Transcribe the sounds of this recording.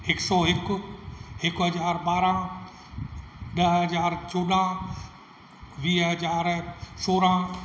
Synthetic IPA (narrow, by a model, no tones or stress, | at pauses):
ɪksɔːɦɪk | ɪkɦɐzaːɾɓaːɾã | ɗɐɦɐzaːɾt͡ʃoːɗã | ʋiːɦɐzaːɾsoːɾãː